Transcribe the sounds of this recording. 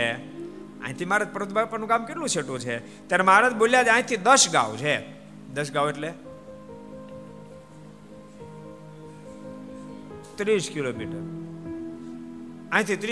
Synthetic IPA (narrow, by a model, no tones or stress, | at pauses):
e | ã̰ĩt̪ʰimaɾad͡ʒ̚pəɾot̪̚bapənũkamkeʈlũseʈũt͡ʃʰe | t̪jaɾemaɾad͡ʒboljad͡ʒãĩt̪ʰid̪əʃɡa̰ʋt͡ʃʰe | d̪əʃ̬ɡaʋeʈle | t̪ɾiskilomiʈəɾ | ãĩt̪ʰit̪ɾ